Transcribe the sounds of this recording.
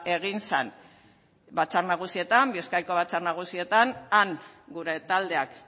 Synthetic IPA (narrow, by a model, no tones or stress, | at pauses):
e̞ɣ̞insa̰n | bat͡sarnaɣ̞usie̞t̪ambieskajko̞βat͡sarnaɣ̞usie̞t̪anaŋɡuɾe̞t̪ald̪e̞ak